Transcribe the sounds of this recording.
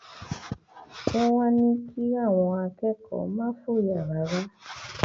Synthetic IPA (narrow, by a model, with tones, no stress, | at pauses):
kɛ˦w̃ã˦nĩ˦kʰi˦a˦˨w̃ɔ̃˧a˧kɛ˦kɔ̰˨˦mã˦fu˦˨ja˨ɾa˨˦ɾa˦